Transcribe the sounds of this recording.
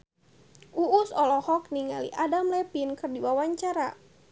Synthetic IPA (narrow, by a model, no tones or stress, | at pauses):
ʔuːsɔlɔhɔk̚niŋalḭʔadamlɛpinkɨrdiwawaɲt͡ʃaɾa̰